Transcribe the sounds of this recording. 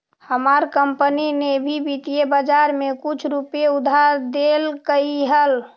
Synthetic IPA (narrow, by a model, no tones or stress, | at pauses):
həmaɾkəmpəninebʱibit̪ijebəd͡ʒaɾmẽkʊt͡ʃʰɾupeʊd̪ʱaɾd̪elkəiɦəl